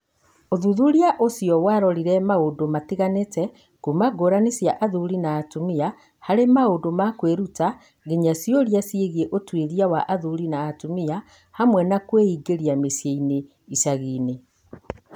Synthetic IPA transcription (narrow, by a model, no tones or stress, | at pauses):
oðuðuɾiaʔosijɔwaɾɔɾiɾɛmaodomatiɣanetɛ | kumaɡoɾanesjaʔaðuɾinaːtumia | haɾemaodomakweɾuta | ɣeɲasjoɾjasieɣieʔotweɾiawaʔaðuɾinaːtumia | hamwɛnakweiːɡeɾiamesjeine | isaɣiːne